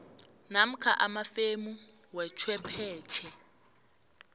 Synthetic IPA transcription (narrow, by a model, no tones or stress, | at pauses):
nam̩kʰa̰ʔamafemu | wɛt͡ʃʰwɛpʰɛːt͡ʃʰɛ